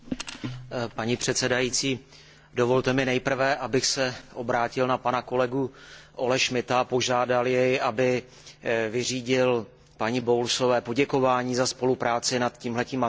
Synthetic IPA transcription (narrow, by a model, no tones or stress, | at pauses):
paɲiːpr̥ɛt̪sɛdajiːt͡siː | do̞vo̞lt̪ɛmɪnɛjpr̩vɛʔabɪxsɛʔobɾaːcɪlnapanako̞lɛɡuʔo̞lɛʃmɪt̪apo̞ʒaːdaljɛjʔabɪ | vɪriːɟɪl | paɲibowlso̞vɛːpo̞ɟɛko̞vaːɲiːzaspo̞lupɾaːt͡sɪnat̪ciːmɦlɛciːm